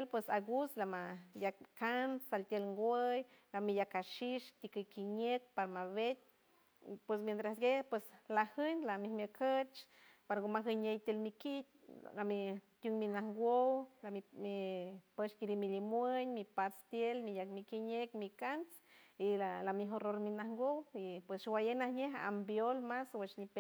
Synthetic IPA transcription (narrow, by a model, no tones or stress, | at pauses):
lpwesaɡuslamajak̚kansalt̪jelŋɡʷəjlamijakaʃiʃt̪ikəkiɲek̚paɾamaβet̪̚ʲ | pwesmjent̪ɾasɡepweslahɨɲlamihmʲəkʰət͡ʃ | paɾaɡomaɦɨɲejt̪ʲelmikit̪ʲlamit̪ʲuŋminahŋɡʷowlaipəʃkiɾimilimwəɲmipast̪jelmijak̚mikiɲekmikans | ilalamiɦoɾoɾminahŋɡʷowipwesʃwajenahɲeɦa̰mbjolmaswət͡ʃɲipe